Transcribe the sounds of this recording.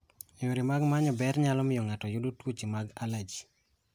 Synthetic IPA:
joɾimaɡmaɲɔbɛɾɲalɔmɪjɔŋatɔjudotwot͡ʃimaɡalad͡ʒi̥

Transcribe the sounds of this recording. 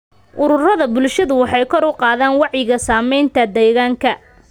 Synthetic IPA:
ʔʊɾʊrɐðɐbʊlʃɐðʊwɑħɑjkʰɔɾʊqɑːðaːnwɑʕjɪɣɐsaːmɛjnt̪ʰɐd̪ɛːɣaːŋkʰɐ

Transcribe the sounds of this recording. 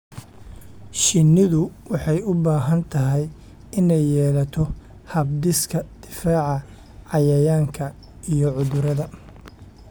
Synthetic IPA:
ʃɪnːɪðʊwɑħɑjʊbaːɦɐnt̪ʰɐɦɛj | ɪnɛjːɛːlɐt̪ʰɔ | hɐbd̪ɪskʰɐd̪̥ɪfaːʕɑ | ʕɑjɐjaːŋkʰɐ | ijɔʕʊðʊɾɐðɐ

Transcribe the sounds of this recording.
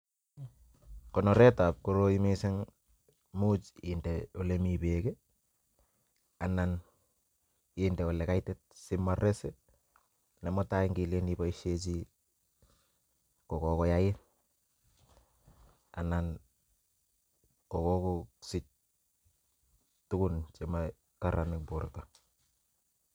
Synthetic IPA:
kɔnɔɾɛtap̚koɾoimisɛŋ | mut͡ʃindɛolemipeke | anan | indɛolɛkajtɛt̚sɪmːaɾɛsɛ | nɛmɔtaiŋɡilenipɔiʃet͡ʃi | kɔkɔkɔjaɪn | a̰nan | kɔkɔkoksɪt͡ʃ̚ | tʊkʊnt͡ʃema | kaɾanɪkbʊɾta

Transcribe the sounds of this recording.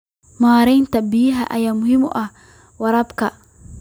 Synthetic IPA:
maːɾɛjnt̪ɐbijɦaʔɐjaːmʊɦɪmɔ̰ʔa | wɐɾɐbka

